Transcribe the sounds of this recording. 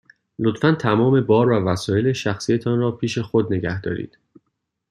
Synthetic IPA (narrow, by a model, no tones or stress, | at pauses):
lo̞t̪fænt̪ʰæmɒːme̞bɒːɾvævæsɒːje̞leʃæxsiːjet̪ʰɒːnrɒːpʰiːʃe̞xod̪ne̞ɡæhd̪ɒ̰ːɾḭːd̪̥